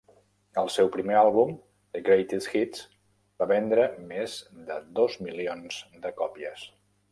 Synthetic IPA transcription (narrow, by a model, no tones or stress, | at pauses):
əlˠsɛwpɾimealˠβum | d̪əɡɾejt̪isxit̪s | b̥aβɛnd̪ɾəmezd̪əd̪ozmilionz̥d̪əkɔpiəs